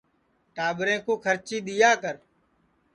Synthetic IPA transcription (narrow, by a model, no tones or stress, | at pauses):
ʈaːɓɾẽːkoːkʰəɾt͡ʃiːɗ̪ɪjaːkəɾ